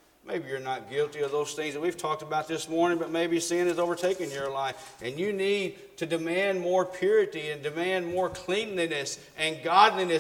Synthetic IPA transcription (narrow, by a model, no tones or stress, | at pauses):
mḛɪbijə˞nət̚ɡ̥ɪlˠtiʌvðoʊz̥θɪ̃ŋzðɨt̚wiv̥tʰɔk̚təbaʊt̪̚ðɪsmɔɹnɪ̃ŋbʌt̚meɪbisɪ̃nɨzoʊvə˞tʰeɪkɨ̃njə˞laɪfɨ̃njɨnid̚tʰɨdɨmæ̃nmɔɹpʰj̥ʊɹɨɾiɨ̃ndɨmæ̃nmɔɹkʰl̥ĩnlinɨs | ʔɨ̃nɡɑdˡlinɨ